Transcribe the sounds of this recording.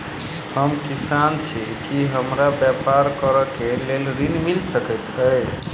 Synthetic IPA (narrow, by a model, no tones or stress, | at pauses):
həmkisant͡ʃʰi | kiɦəmɾabjapaɾkəɾəkelelɾinmilsəkət̪əj